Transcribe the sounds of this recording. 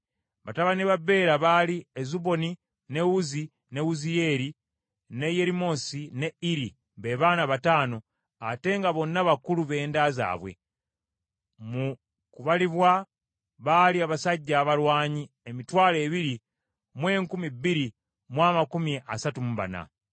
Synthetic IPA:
βataβaneβabe̞ːɾaβaliezuβo̞ni | ne̞wuzi | ne̞wuzijeːɾi | ne̞jeɾimo̞sine̞iɾi | mbe̞βaːnaβataːno̞ | ate̞ŋɡaβo̞nːaβakuluβe̞ːndaːza̰ːβwe̞̰ | mu | kuβaliβwa | βaliaβasaɟːaːβalwaːɲi | emitwaːle̞ːβiɾi | mwe̞ːŋkumibːiɾi | mwaːmakumieʔasatumuβa̰na̰

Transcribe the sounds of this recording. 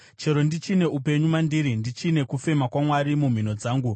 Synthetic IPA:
t͡ʃe̞ɾo̞ndit͡ʃine̞upe̞ɲumwandiɾindit͡ʃine̞kufe̞makwamwaɾimum̤ino̞d͡zaːŋɡu

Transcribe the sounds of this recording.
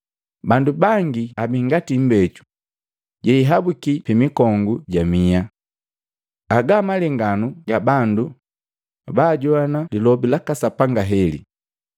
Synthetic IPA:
bandubaŋɡiabiŋɡatim̩bɛt͡ʃu̥ | ɟɛiɦabukipimikɔŋɡuɟamia | aɡamalɛŋɡanuɡabandu | baːɟɔanalilɔbilakasapaŋɡaɦɛlḭ

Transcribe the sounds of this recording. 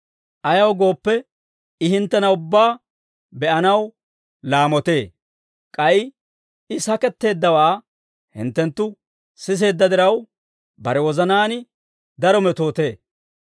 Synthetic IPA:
ʔɐjɐwɡo̞ːpːɛ | ɪhɪnt̪ːɛnɐʊbːaː | bɛʔɐnɐw | laːmɔt̪e̞ː | kʼɐɪ | ɪsɐkɛt̪ːe̞ːd̪ːɐwaː | hɪ̰nt̪ːɛnt̪ːʊ | sɪs̬e̞ːd̪ːɐd̪ɪɾɐw | bɐɾɛwɔzɐnaːnɪ | d̪ɐɾɔmɛt̪o̞ːt̪e̞ː

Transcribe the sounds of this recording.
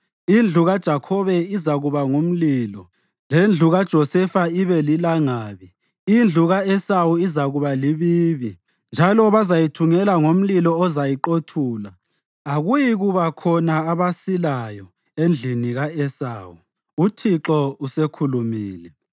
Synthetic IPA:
ind͡ɮʱuɣad̥ʒ̥ʱakʰɔβɛizaɣuβaŋum̩lilɔ | lend͡ɮʱuɣad̥ʒ̥ʱɔsɛfaiβɛlilaŋaːβi | ind͡ɮʱuɣaɛsawuizaɣuβaliβiːβi | nd͡ʒʱalɔβazajitʰuŋɛlaŋom̩lilɔɔzajiǃotʰuːlaː | ɣujiɣuβakʰɔnaːβasilajɔ | end͡ɮʱiniɣaɛsa̰ːwu | utʰiǁɔusekʰulumiːlɛ

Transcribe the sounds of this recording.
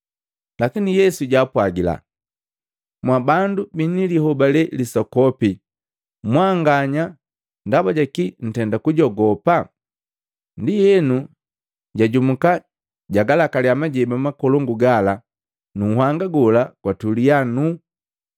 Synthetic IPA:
lakinijɛsuɟaːpwaɡila̰ | mwabandubiniliɦɔbalɛlisɔkɔpi | mwaŋɡaɲa | ndabaɟakin̩tɛndakuɟɔɡɔpa | ndijɛnu | ɟaɟumuka | ɟaɡalakaliamaɟɛbamakɔlɔŋɡuɡala | nuhwaŋɡaɡɔlakwatulijanu

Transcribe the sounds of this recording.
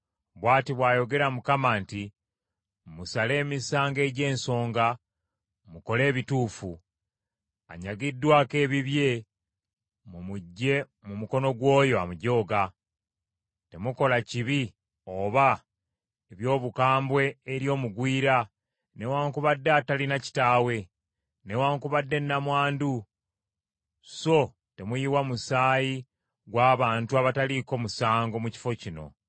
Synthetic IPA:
βwaːtiβwaːjo̞ɡe̞ɾamukamaːnti | musale̞ːmisaːŋɡe̞ːɟe̞ːnso̞ːŋɡa | muko̞le̞ːβituːfu | a̰ɲaɡidːwaːke̞ːβiβje̞ | mumuɟːe̞ | mumuko̞no̞ɡwo̞ːjo̞a̰muɟo̞ːɡa | te̞muko̞laciβi | o̞ːβa | eβjo̞ːβukaːmbwe̞ːɾjo̞ːmuɡwiːɾa | ne̞waːŋkuβadːatalinaci̥taːwe̞ | ne̞waːŋkuβadːe̞nːamwaːndu | so̞ | te̞mujiwamusaːji | ɡwaːβaːntuaβataliko̞musaːŋɡo̞muci̥fo̞cino̞̰

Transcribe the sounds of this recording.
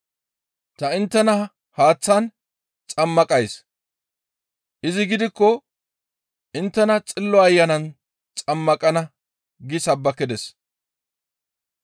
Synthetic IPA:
t̪ɐɪnt̪ːɛnɐ | haːt͡sːɐn | t͡sʼɐmːɐkʼɐjs | ʔɪzɪɡɪd̪ɪkːɔ | ʔɪnt̪ːɛnɐt͡sʼɪlːɔɐjːɐnɐn | t͡sʼɐmːɐkʼɐnɐ | ɡɪsɐbːɐkːɪd̪ɛs

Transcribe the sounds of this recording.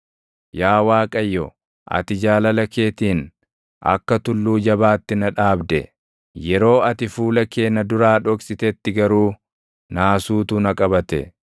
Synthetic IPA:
jaːwaːkʼɐjːɔ | ʔɐ̰t̪ɪd͡ʒaːlɐlɐke̞ːt̪iːn | ʔɐ̰kːɐt̪ʊlːuːd͡ʒɐbaːt̪ːɪnɐᶑaːbd̪ɛ̰ | jɛɾo̞ːɐt̪ɪfuːlɐke̞ːnɐd̪ʊɾaːᶑɔkʼsɪt̪ɛt̪ːɪɡɐɾuː | naːsuːt̪uːnɐkʼɐbɐt̪ɛ̰

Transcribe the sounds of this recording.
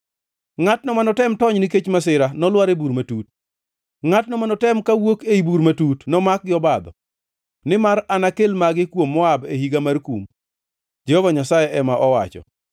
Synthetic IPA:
ŋatnɔmanɔtɛmtɔɲniket͡ʃmasɪɾanɔlwaɾebuɾmatut̚ | ŋatnɔmanɔtɛmkawokeibuɾmatutnɔmak̚ɡɪɔbad̪ɔ̰ | nɪmaɾanakelmaɡɪkwomːɔabehiɡamarkum | d͡ʒɛhɔvaɲasajɛʔɛmaʔɔwa̰t͡ʃɔ̰

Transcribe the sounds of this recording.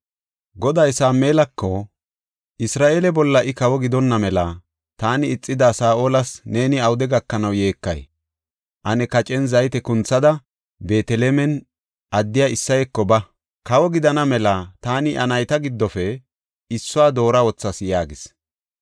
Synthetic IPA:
ɡɔd̪ɐjsaːmːeːlɐkːɔ | ʔɪsɾaːʔeːlɛbɔlːɐʔɪkɐwɔɡɪd̪ɔnːɐmɛlɐ | t̪aːnɪːt͡sʼːɪd̪asaːʔoːlɐsne̞ːnɪɐwʊd̪ɛɡɐkːɐnɐwje̞ːkːɐ̰j | ʔɐnɛkɐt͡ʃʼɛnzɐjt̪ɛkʊnt͡sːɐd̪ɐ | be̞ːt̪ɛlemɛn | ʔɐd̪ːɪjaːɪsːɐjɛkːɔbɐ | kɐwɔɡɪd̪ɐnɐmɛlɐt̪aːnɪʔɐnɐjt̪ɐɡɪd̪ːɔfɛ | ɪsːʊaːd̪o̞ːɾɐwɔt͡sːɐsjaːɡɪs

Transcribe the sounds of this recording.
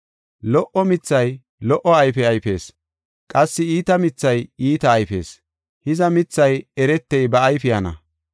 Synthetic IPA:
lɔʔɔmɪt͡sːɐj | lɔʔɔɐjfɛɐjfe̞̰ːs | kʼɐsːɪiːt̪ɐmɪt͡sːɐjiːt̪ɐːjfe̞ːs | hɪzɐmɪt͡sːɐjɛɾɛt̪ːɛjbɐːjfɪjɐnɐ̰

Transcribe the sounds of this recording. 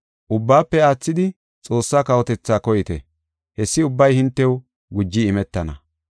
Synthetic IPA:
ʔʊbːaːpːɛaːt͡sːɪd̪ɪ | t͡sʼo̞ːsːaːkɐwɔt̪ɛt͡sːaːkɔjɪt̪ɛ̰ | hɛsːɪʊbːɐjhɪnt̪ːɛw | ɡʊd͡ʒːɪɪmɛt̪ːɐnɐ

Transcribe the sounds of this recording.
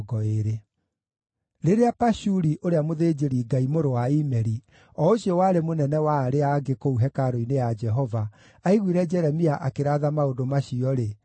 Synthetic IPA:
ɡɔeɾe | ɾeɾeapaʃuɾiʔoɾeamoðed͡ʒeɾiːɡaimoɾowaimɛɾi | ɔoɕiɔwaɾemonɛnɛwaːɾeaɡekouɦɛkaɾoinejad͡ʒɛɦɔva | aiɣwiɾɛd͡ʒɛɾɛmiaʔakeɾaðamaodomaɕiɔɾe

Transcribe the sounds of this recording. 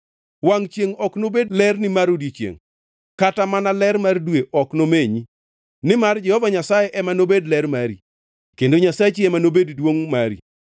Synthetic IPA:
waŋt͡ʃjeŋɔknobedlɛrnɪmaɾodjet͡ʃjḛŋ | katamanalɛɾmardweʔɔknomeɲi | nɪmard͡ʒɛhɔvaɲasajeʔɛmanobedlɛɾmaɾi | kendoɲasat͡ʃiɛmanobeddwoŋmaɾḭ

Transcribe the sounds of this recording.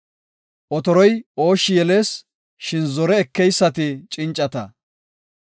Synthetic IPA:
ʔɔt̪ɔɾɔjo̞ːʃːɪjɛle̞ːs | ʃɪnzɔɾɛːkːɛjsːɐt̪ɪt͡ʃʼɪnt͡ʃʼːɐt̪ɐ

